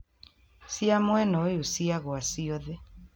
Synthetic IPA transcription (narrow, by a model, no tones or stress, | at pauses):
siamoenoiusiaɣoasioðe